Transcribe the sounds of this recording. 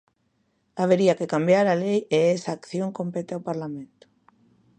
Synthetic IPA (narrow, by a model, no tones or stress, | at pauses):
aβ̞eɾiakekambjaɾalejeɛsaːkθjoŋkompet̪eawpaɾlamẽnt̪ʊ̥